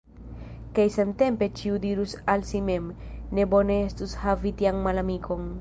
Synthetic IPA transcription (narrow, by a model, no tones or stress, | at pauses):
kajsamt̪e̞mpe̞t͡ʃiudiɾusalsime̞mne̞bone̞est̪ushavitiaŋmalamikʰo̞ŋ